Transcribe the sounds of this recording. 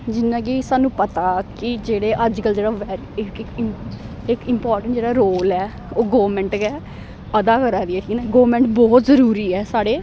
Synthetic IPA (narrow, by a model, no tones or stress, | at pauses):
d͡ʒɪnːãːkisaːnũːpət̪aːkɪd͡ʒeːɽeːʔəd͡ʒkəld͡ʒeːɽaːʋɛːɾ | ɪkɪkɪ | ɪkɪmpaːɾʈə̃ɳʈd͡ʒeːɽaːɾoːlɛː | oːɡoːʋmɛ̃ːɳʈkɛː | əd̪aːkəɾaːd̪iɛːʈʰiːnɛːɡoːmɛ̃ːɳʈbɔːt̪zəɾuːɾiːɛːsaːɽeː